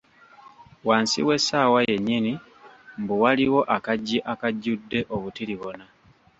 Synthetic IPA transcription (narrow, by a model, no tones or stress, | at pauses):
waːnsḭwe̞saːwaje̞ɲːini | mbuwaliwo̞ʔakaɟːiʔakaɟːudːe̞ʔoβutiliβona